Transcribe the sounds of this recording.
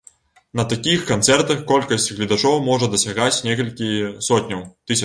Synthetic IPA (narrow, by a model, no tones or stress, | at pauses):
nɐt̪akʲixkant̪sɛrt̪ɐxkɔlʲkɐsʲt͡sʲɣlʲid̪at͡ʂɔwmɔʐɐd̪ɐsʲaɣat͡sʲnʲɛkɐlʲkʲisɔt̪̚ʲnʲɐwt̪ɨsʲɐ